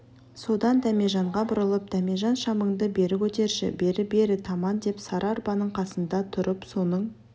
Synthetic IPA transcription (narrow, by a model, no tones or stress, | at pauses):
so̞d̪ɑnd̪æme̞ʒɑɴʁɑbʊɾəlˠəp̚d̪̥æme̞ʒɑnʃɑməɴd̪əbe̞ɾɪkʲʰɵt̪e̞ɾʒɪ̰be̞ɾɪbe̞ɾɪt̪ʰɑmɑnd̪e̞psɑɾʔɑɾbɑnəɴqʰɑsənd̪ɑt̪ʰʊɾəpso̞nəɴ